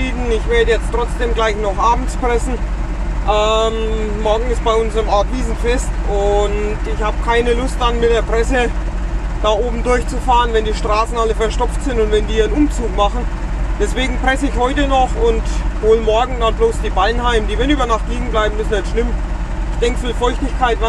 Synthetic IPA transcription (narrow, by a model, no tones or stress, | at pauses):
iːdn̩ɪçv̥eːɐdəjɛt͡stʁ̥ɔt͡sd̥eːmɡlaɪçnɔχʔaːbm̩t͡spʁ̥ɛsn̩ | ʔɛmːɔɐɡŋ̩ɪst̚b̥aɪʊnzəʁəmʔɔɐtviːzn̩fɛstʊntɪçhaːbəkʰaɪnəlʊst̚d̥anmɪt̚d̥eːɐpʁ̥ɛsə | d̥aːʔoːbm̩dʊɐçt͡sufaːʁənvɛndiːʃtʁ̥aːsn̩aləfɐʃtɔpp͡ftz̥ɪntʊntvɛndiːənʔʊmt͡suːkmaχn̩ | d̥ɛsv̥eːɡŋ̩pʁ̥ɛsəɪçhɔʏtənɔχʊnthoːlmɔɐɡŋ̩danbloːsd̥iːbaɪnhaɪmədiːvɛnyːbɐnaχtliːɡŋ̩blaɪbm̩mʏsn̩ɛtʃlɪmɪçd̥ɛŋkfiːlfɔɐɪçtɪçkʰaɪtva